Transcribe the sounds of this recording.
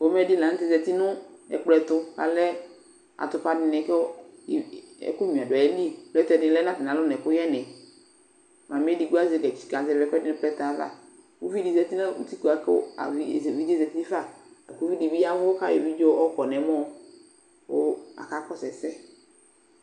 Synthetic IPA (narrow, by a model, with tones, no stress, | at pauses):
wo˦mɛ˦di˦lã˨ŋ̩̃˦t̪ɪ˦zɛ˨t̪i˦nʊ̃˦ɛ̰˨k͡plɛ˨t̪ʊ˦ka̰˨lɛ˦ | a̰˨t̪ʊ˨pa˦dɪ˨nɛ̃˨ke˦˨ | ḛ˦ku˦ɲũ˨a˨ɖa˨e˨˦li˦˨lɛ˦t̪ɛ˨dɪ̃˨lɛ˦nã˦t̪ɪ˨nã˨˦lʊ˦nɛ̃˨kʊ˦jɛ˦nɛ̃˨ | mã˨mĩ˦e˦di˨ɡu˦a˦ze˨ɡɛ˨t͡ʃi̥˨ka˨zɛ˨vɛ˨˦kɛ˦dɪ˦nɛ̃˦plɛ˦t̪a˨˦va̰˦ | ku˦vi˦di˨zɛ˨t̪i˦nã˦ṵ˦t̪i˦ku˨a˨kḛ˦o̰˦a̰˨vi˦˨vi˦d̪i˦zɛ˨t̪i˦i˦fa˦˨a˨ku˦vi˦di˨bi˦a˦vo˦o˦ka˦je˨vi˦d͡ʒo˦ʔɔ˦kɔ˨nɛ̃˨˦mɔ̃˦ | wo˦a̰˨ka˦kɔ˦sɛ˨sɛ˦